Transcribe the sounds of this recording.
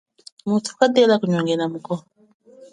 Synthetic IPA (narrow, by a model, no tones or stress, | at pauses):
mutʰu̥kadɛlakuɲɔŋɡɛnamukɔ